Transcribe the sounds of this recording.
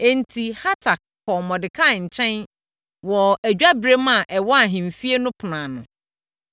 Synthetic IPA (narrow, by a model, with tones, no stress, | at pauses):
e˨n˨tʰi˨ha˦tʰa˨k̚ːʰ | ɔ˨mɔ̃˨dɪ˨kʰa˦˨ɲ̩˨t͡ɕʰɛ̃˦n | wɔ˨æ˨d͡ʑᶣa˦bɾe˦mã˨ʔɛ˨wɔ˦a˨ɦĩ˨m˨fi˦e˦nʊ̃˦pʰʊ˨nãː˨nʊ̃˨